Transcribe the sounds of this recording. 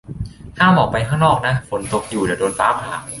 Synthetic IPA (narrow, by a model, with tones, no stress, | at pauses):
hʰaː˥˩mɔː˨˩k̚pa˧jkʰaː˥˩ŋnɔː˥˩k̚na˦˥fo˩˦nt̪o˨˧˩k̚juː˨˩di˨˩doː˧nfaː˦˥p̚haː˨˩k̚